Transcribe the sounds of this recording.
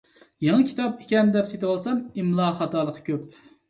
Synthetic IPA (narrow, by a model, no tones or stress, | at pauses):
jeŋəkʲʰi̥t̪ɑpikʲɛmd̪ɛpset̪ɪwɑlˠsɑmimlˠɑːχɑt̪ɑːlˠəqʰə̥kʲøp̚